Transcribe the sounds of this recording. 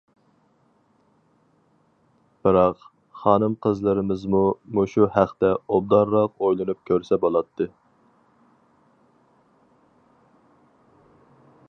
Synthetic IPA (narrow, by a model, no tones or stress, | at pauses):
b̥ɨɾɑq | χɑːnɨmqʰəzlˠɨɾɪmɪzmumuʃuhæχt̪ɛob̚d̪ɑɾːɑqojlˠɨnup̚kʲʰøɾsɛbolˠɑt̪ʰːɨ